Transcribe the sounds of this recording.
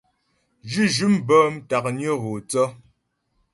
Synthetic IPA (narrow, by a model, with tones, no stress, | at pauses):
d͡ʒʉ˦d͡ʒʉ˦mbɔː˦m˦ta˨k̚njə˦ɣo˨t͡sɔ˦